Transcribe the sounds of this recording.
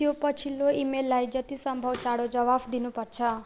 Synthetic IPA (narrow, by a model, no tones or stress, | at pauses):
ijopət͡ʃʰilːoimelːajd͡ʒət̪isəmbʱəʋt͡ʃaɽod͡ʒəʋafd̪inũpəɾt͡ʃʰɛ